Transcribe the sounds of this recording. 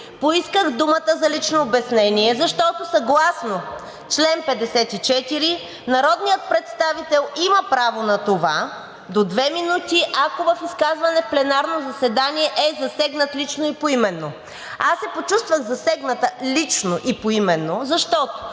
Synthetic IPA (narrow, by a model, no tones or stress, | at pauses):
poiskəxd̪umət̪əzɐlit͡ʃnoːbɛsnɛniɛzɐʃt̪ɔt̪osɐɡlˠasno | t͡ʃlɛnpɛd̪ɛsɛt̪it͡ʃɛt̪iɾi | nɐɾɔd̪nijət̪̚pɾɛt̪st̪avit̪ɛlˠiməpɾavonɐt̪ova | d̪od̪vɛminut̪iʔakovɐfiskazvɐnɛfplɛnaɾnozɐsɛd̪aniɛʔɛzɐsɛɡnət̪lit͡ʃnoipoimɛnːo | asːɛpot͡ʃust̪vəɣzɐsɛɡnət̪əlit͡ʃnoʔipoimɛnːozɐʃt̪ɔt̪o̥